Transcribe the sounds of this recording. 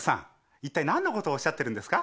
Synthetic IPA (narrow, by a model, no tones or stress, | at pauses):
sã̰ŋ | it̪ːainãnːoko̞t̪o̞ːɕːat̪ːeɾɯ̟nd̪e̞sɨ̥ka